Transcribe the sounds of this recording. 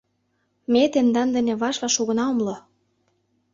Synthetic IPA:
met̪end̪ɑnd̪ə̆nĕβɑʃlɑʃoɣɤ̆nɑomlo

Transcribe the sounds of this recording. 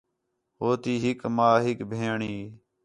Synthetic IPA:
ɦoːt̪iːɦɪkmaːɦɪkbʱeːɳiː

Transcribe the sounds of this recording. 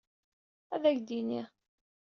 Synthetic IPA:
æðæʝd̪ini

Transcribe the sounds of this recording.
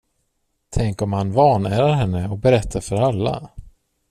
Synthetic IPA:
t̪ʰɛŋkɔmhanvɑːɳæːɾaɾɦɛnːəɔk̚bɛɾɛt̪ʰːaɾfœɾalːa̰

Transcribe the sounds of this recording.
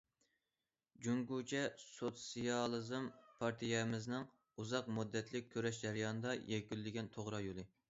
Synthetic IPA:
d͡ʒuŋɡut͡ʃʰɛsot̪sijɑlˠɨzɨmpʰɑɾt̪ʰijɛmɪznɨŋ | uzɑqmud̪ːɛt̪ʰlɪk̚ʲʰːøɾɛʃd͡ʒæɾɪjɑnɨd̪ɑjɛkʲylːɪɡʲɛnt̪ʰoʁɾɑjolˠɨ

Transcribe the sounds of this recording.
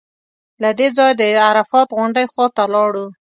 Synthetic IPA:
lad̪ezɑjd̪əaɾafɑt̪ɣʊɳɖəjxwɑt̪alɑɽu

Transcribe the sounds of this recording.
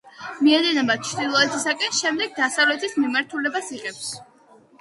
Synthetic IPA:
miɛd̪ɛnɛbat͡ʃʰɾd̪ilˠɔɛt̪ʰisakʼɛnʃɛmd̪ɛɡ̚d̪asavlɛt̪ʰismimaɾt̪ʰulɛbasiqʼɛps

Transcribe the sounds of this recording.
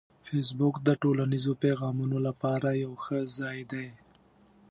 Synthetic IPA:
fes̬bʊkd̪əʈolanizopeɣɑmunolapɑɾajawxəzɑjd̪aj

